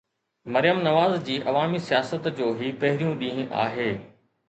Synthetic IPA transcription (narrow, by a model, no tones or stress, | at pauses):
mɐɾɪjəmnɐʋaːzd͡ʑiːʔɐʋaːmisijaːsət̪d͡ʑoːɦipɐɦɪɾijũɗĩːɦʔa̰ːɦeː